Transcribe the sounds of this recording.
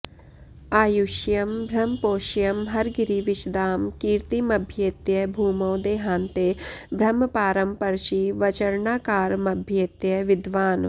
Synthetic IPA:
aːjuːʃjɐmbʱɾɐmpoːʃjɐmɦɐɾɡiɾiʋɪʃd̪aːmkiːɾt̪imɐbʱjeːt̪jɐbʱuːmɐwd̪eːɦaːnt̪eːbʱɾɐmːɐpaːɾɐmpɐɾʃiʋɐt͡ʃɐɾɳaːkaːɾmɐbʱjeːt̪jɐʋɪd̪ʋaːn

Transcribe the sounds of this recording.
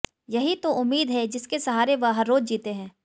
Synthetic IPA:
jɐɦit̪oʔʊmːiːd̪ɦɛd͡ʒɪskesɐɦaːɾeʋɐɦɐɾːoːd͡ʒd͡ʒiːt̪eɦɛ̃ː

